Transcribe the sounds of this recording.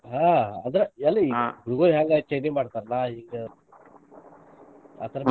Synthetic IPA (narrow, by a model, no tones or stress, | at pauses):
ɦaːɐnd̪ɐɾeɛlːɐiɡuɾuɡoɾiɦaːŋɡat͡ʃɐjd̪eːmaːɽt̪aːɾɐlaiŋɡe | a̰ːt̪ʰɐɾɐ